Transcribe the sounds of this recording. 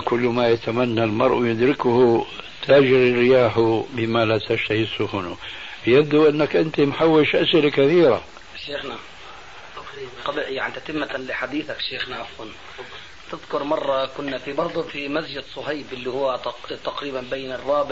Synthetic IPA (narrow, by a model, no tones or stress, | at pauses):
kʊlːmajat̪amanːalmɑɾˤʔwjʊd̪ɾɪkʊhʊt̪ʰaːd͡ʒɪɾɪrɪjaːħʊbɪmalat̪aʃt̪ahisːʊxʊnʊbjab̚d̪uʔɪnːakʔɪnt̪imħawːɪʃʔasʔɪlakaθiːɾa̰ | ʃeːxna | qɑbʔjaʕʔɪnt̪at̪ɪmːalɪħad̪iːθakʃeːxnaʔafwan | t̪ɪðkʊɾmɑrˤːɑkʊnːafibɑɾˤd̪ˤfimasd͡ʒɪd̪sˤʊhajbʔɪlːihʊwːat̪t̪aqɾiːbanbajːɪnɪrˤːɑːbɪ